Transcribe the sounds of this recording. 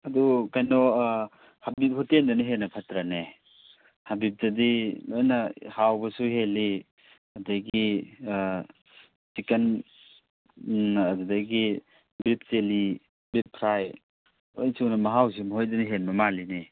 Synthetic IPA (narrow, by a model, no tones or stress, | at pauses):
ɐdukajnɔ | habip̚hutendɐniɦenɐpʰatɾane | habip̚tɐdilojnɐhawbɐsuheli | ɐdaɡi | siken | ɐdudaɡi | bip̚seli | bip̚pʰɾaj | ojnsiwnɐmɐɦaws̬imɦojdɐniɦenbɐmalini